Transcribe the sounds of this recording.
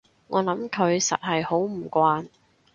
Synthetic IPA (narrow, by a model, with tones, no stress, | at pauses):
ŋɔː˨˧lɐ˨˥mkʰɵ˨˧ɥsɐ̰˨t̚hɐ˨jho˨˥wm̩˨˩kʷaː˧n